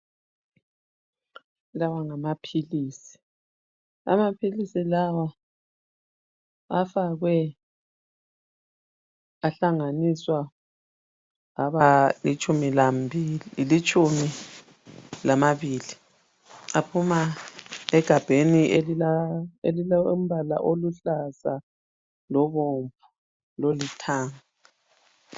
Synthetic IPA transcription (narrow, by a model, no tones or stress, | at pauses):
lawaŋamapʰiliːsi̥ | a̰mapʰilisilawa | afaɣwɛ | aɬaŋaniswa | ɣaβalit͡ʃʼumilambʱillit͡ʃʼumi | lamaβili | apʰuma | ɛɡ̥ʱab̥ʱenieielilm̩βala̰ʔoluɬasa | lɔβompʰu | lolitʰaːŋa